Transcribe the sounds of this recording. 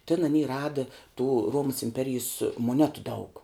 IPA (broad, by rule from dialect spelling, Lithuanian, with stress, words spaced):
tʲɪn ɐˈnʲiː ˈrɑːdɨ tuː ˈruɔmɐs ɪmʲˈpʲæːrʲɪjeːs moːˈnʲæːtʊ dɐʊk